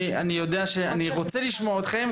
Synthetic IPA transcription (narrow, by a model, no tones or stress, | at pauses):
anijo̞d̪eaʃeaniʁot͡seliʃmoaot̪χem